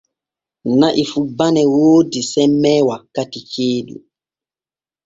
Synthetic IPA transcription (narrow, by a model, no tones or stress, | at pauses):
naʔifubanɛwoːdisɛmːɛːwakatikeːɗṵ